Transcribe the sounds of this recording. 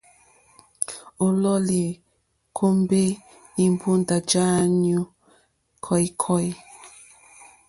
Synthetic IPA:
o˨lɔ˦li˨ | kʰo˦m˦be˦ | i˨m˨bu˦nda˨d͡ʒa˦njo˦ | kʰɔ˦jkʰɔ˦j

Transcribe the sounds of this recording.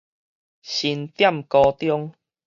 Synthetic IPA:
ɕi˧nt̪ja˥˨mkɔ˧t̪jɔ˦ŋ

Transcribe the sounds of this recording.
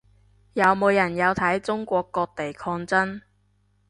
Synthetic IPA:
jɐ˨˧wmo˨˧wjɐ˨˩njɐ˨˧wt̪ʰɐ˨˥jt͡sʊ˥ŋkʷɔː˧kːɔː˧k̚t̪e˨jkʰɔː˧ŋt͡sɐ˥n

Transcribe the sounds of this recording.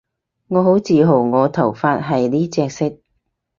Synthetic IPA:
ŋɔː˨˧ɦo˨˥wt͡siː˨ɦo˨˩wŋɔː˨˧t̪ʰɐ˨˩wfaː˧t̚ɦɐ˨jliː˥t͡sɛː˧k̚sɪ˥k̚

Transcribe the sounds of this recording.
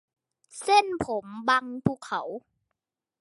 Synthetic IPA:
se˥˩˨npʰo˩˦mba˧ŋpʰuː˧˩kʰːa̰˩˦w

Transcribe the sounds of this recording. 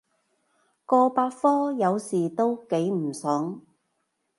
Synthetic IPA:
kɔː˧paː˧t̚fɔː˥jɐ˨˧wsiː˨˩t̪o˥wke˨˥jm̩˨˩sœː˨˥ŋ

